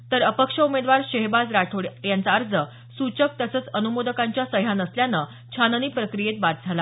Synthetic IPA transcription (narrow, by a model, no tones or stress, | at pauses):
t̪əɾəpəkʂəumed̪ʋaɾɕeɦbad͡zɾaʈʰoɽjant͡saːɾd͡zə | sut͡ɕək̚t̪əsəːt͡sənumod̪əkãɲt͡ɕjasəɦjanəsljanə | t͡ɕʰanəniːpɾəkɾijet̪̚bat̪̚d͡zʱala